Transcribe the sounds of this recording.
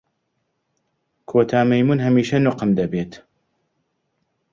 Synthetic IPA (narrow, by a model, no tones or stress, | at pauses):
kʰoːt̪ʰaːmɐjmunɦɐmiːʃɐnʊqɨmd̪ɐbeːt̪